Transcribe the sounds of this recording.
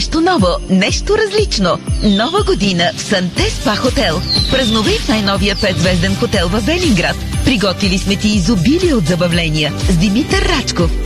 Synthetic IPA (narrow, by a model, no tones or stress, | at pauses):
ʃt̪onɔvonɛʃt̪oɾɐzlit͡ʃnonɔvəɡod̪inəfsɐnt̪ɛspaxot̪ɛlˠpɾɐznovɛjfnajnɔvijəpɛd̪zvɛʒd̪ɛnxot̪ɛlˠvɐbɛliŋɡɾat̪pɾiɡɔt̪vilismɛt̪iːzʊbiliod̪zɐbɐvlɛniəzd̪imit̪əɾːat͡ʃkof